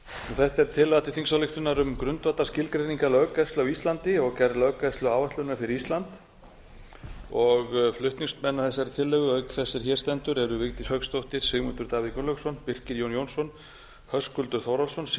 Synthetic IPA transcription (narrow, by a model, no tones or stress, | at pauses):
nuθɛht̪ɛɾ̥t̪ʰɪlat̪ɪ̥θiŋsawlɪht̪ʏnaɾʏmkɾʏnt̪vat̪ascɪlkɾeniŋkalœːkast̪lʏawist̪lant̪ɪɔɣcɛɾðlœkast̪lʏaːwvast̪lʏnmafɪɾɪist̪lant̪ | ɔɣflʏht̪niŋst̪mɛnːaθɛsːaɾt̪ʰɪlːɛɣʏœɥkθɛsːɪɾ̥çɛ̥st̪ɛnt̪ʏɾɛɾʏvɪkt̪ɪshœkst̪owht̪ɪɾ̥sɪɣmut̪ʏɾt̪aːviðkʏnlœsɔnpir̥cɪɾjownjoːwnsɔn | hœskʏlt̪ʏɾ̥θowɾalsɔns